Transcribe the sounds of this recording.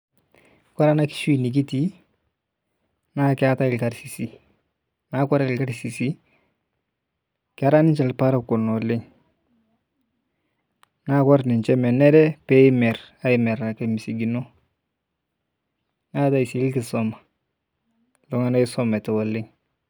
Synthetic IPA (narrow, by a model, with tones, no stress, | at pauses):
ka˦ɾa˦na˦ki̥˨ʃwi˨ni˨k̬i˦ti˦ | na˦kɪa˦ta˦ɪ˨lka˨ɾsi˨si˦ | na˦kɔ˦ɾa˨ɪ˨lka˦ɾsi˨si˦ | kɪ˦a˦ɾa˦nɪ˦nt͡ʃɛ˨lpa˦ɾa˨ko˨nɔ˨lɪ˦ŋ | na˦kɔ˦ɾnɪ˨nt͡ʃɛ˦mɛ˨nɛ˦ɾɛ˦pɛ˦ɪ˦mɛ˨ɾa˦ɪ˨mɛ˨ɾa˨ke˨mi˨si˨ɡi˨no˦ | na˦ta˦i˨si˨˦lkɪ˨sɔ˦ma˨ | lo˦ŋa˦na˦ɪ˦sɔ˦mɛ˨tɛ˨wɔ˨lɪ˦ŋ